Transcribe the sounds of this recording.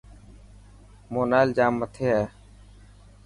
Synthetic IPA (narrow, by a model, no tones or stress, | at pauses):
moːnaːɪld͡ʒaːmːət̪ʰeːɦɛː